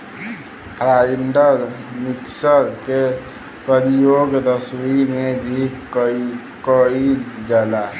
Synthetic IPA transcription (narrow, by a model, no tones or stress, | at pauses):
ɾaiɳɖəɾmiksəɾke | pɾəɾijoɡd̪əsuimebʱi | kəid͡ʒala